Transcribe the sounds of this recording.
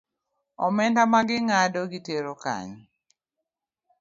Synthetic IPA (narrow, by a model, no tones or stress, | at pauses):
ɔmɛndamaɡɪŋadoɡiteɾoka̰ɲ